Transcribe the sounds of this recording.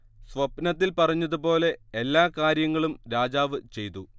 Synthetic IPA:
sʋɐbnɐt̪ːilpɐrɐɲːɐðupo̞ːle̞ːlːaːkaːɾjɐŋːɐɭumɾaːd͡ʑaːʋɨt͡ɕe̞jt̪u

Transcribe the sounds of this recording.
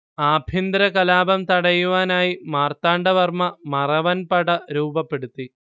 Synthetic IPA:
aːbʱind̪ɾɐkɐlaːbɐmt̪ɐɽɐjuʋaːnaːjimaːrt̪aːɳɖɐʋɐrmɐmɐrɐʋɐnpɐɽɐɾuːbɐpːe̞ɽut̪ːi

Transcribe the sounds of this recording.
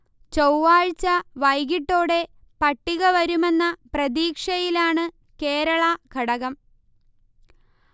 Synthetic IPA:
t͡ɕɐwʋaːɻt͡ɕːɐʋɐjɣiʈːo̞ːɽe̞ | pɐʈːiɣɐʋɐɾume̞nːɐprɐðiːkʂɐjilaːɳɨ | keːɾɐɭɐɡʱɐɽɐɣɐm

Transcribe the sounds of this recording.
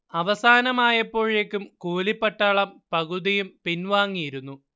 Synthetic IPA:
ɐʋɐsaːnɐmaːjɐpːo̞ːɻekːumkuːlipːɐʈːaːɭɐmpɐɣuðijumpinʋaːŋːijiɾunːu

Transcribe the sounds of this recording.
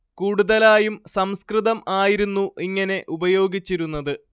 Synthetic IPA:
kuːɽuðɐlaːjumsɐmskrɨðɐmaːjiɾunːuʔiŋːɐne̞ʔubɐjo̞ːɡit͡ɕːiɾunːɐðɨ

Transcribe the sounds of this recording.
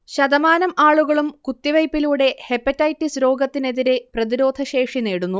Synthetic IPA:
ɕɐd̪ɐmaːnɐmaːɭuɣɐɭumkut̪ːiʋɐjpːiluːɽe̞he̞pːɐtːɐjtːisɾo̞ːɡɐt̪ːine̞ðiɾe̞prɐðiɾo̞ːd̪ʱɐɕe̞ːʂineːɽunːu

